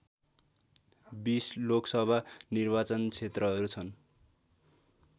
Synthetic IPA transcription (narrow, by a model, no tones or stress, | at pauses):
bisloksʌbʱanirbat͡sʌnt͡sʰet̪rʌɦʌɾut͡sʰʌn